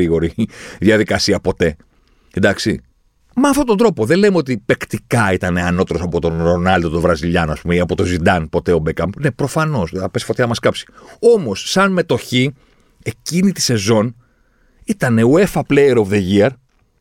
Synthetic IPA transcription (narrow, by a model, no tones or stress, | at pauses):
iɣo̞ɾiðjɐðikɐsiɐpo̞t̪e̞ | end̪ɐksḭ | meɐft̪o̞t̪ond̪ɾo̞po̞ðe̞le̞meo̞t̪ipe̞kt̪ikɐit̪ɐne̞ɐno̞t̪e̞ɾo̞sɐpo̞t̪o̞nɾonɐld̪ot̪ovɾɐziʎɐnɐspumeiɐpo̞t̪o̞zid̪ɐnpo̞t̪e̞o̞bekɐmbne̞pɾo̞fɐno̞seɐpesi̥fot̪çɐmɐskɐpsi̥o̞mo̞sːɐnme̞t̪o̞çi | e̞cinit̪i̥se̞zo̞n | it̪ɐne̞ue̞fɐpleeɾovðe̞ʝiɐɾ